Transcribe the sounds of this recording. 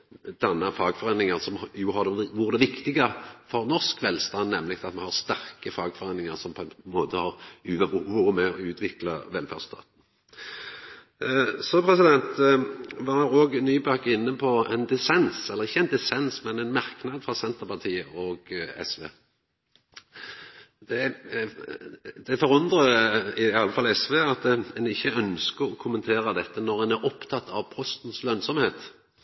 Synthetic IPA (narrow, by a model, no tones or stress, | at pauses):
d̪̥ɛnːəfɑːɡfɔʁenɪŋəʁsɔmjʊɦɑd̪ʋʊʁd̪ɛʋɪkt̪ɪɡəfɔɾnɔskʋɛlst̪ɑnnɛmlɪk̚t̪ʰɑt̪mɛnhɑʁst̪æɾkəfɑːɡfɔʁeːnɪŋəɾsɔmpʰɔɛnmoːt̪ʰəhɑʁʉːʋəuəmɛɔʉːt̪ʰʋɪklɑʋɛlfæ̰ʁst̪ʰɑ̰ːt̪n̩ | sɔpʰɾɛsɪd̪ɛnt̪ʋɑɾɔːɡnyːbɑkɪnːəpʰɔɛnd̪ɛsɛnsɛlːəʁɪçːəɛɪnd̪ɛsɛnsmɛnɛɪnmɑʁknɑd̪fɾɑsɛnt̪əʁpɑt̪ʰiːəʔɔɡɛ̰sʋḛː | d̪ɛ | d̪̥ɛfɔʁʉnd̪ʁəɪɑlːəfɑlɛsʋeːɑt̪ɛnɪçːəœnskəɾɔkʰʊmənt̪ʰeːɾəd̪ɛt̪ːənɔʁɛnæɾɔpt̪ʰɑt̪ʰːɑ̰ʋpʰɔst̪nslœnsɔmheːt̪